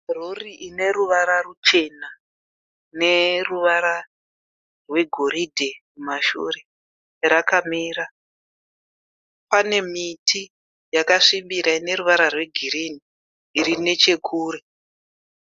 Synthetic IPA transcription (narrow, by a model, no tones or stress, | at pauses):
roriʔine̞ɾuʋaɾarut͡ʃe̞na | ne̞ruʋaɾa | rwe̞ɡʱo̞ɾidʱe̞mumaʃṵɾe̞ | rakamiːɾa | pane̞mitʰi | jakaʂimbiɾaine̞ɾuʋaɾarwe̞ɡʱiɾiniː | ɾine̞t͡ʃe̞kʰuːɾe